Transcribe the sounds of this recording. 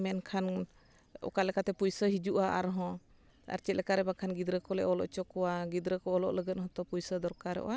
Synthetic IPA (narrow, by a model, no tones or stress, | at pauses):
mɛnkʰan | ɔ̰kalɛkat̪ɛpujsəɦid͡ʒuʔaʔa̰ɾɦɔ̃ | a̰ɾt͡ʃɛt̪̚lɛkaɾɛbakʰanɡid̪ɾəkɔlɛ̰ʔɔlɔ̰ʔt͡ʃɔkɔwaɡid̪ɾəkɔɔlɔʔləɡət̪̚hɔ̃t̪ɔpujsəd̪ɔɾkaɾɛ̰ʔɔ̰wa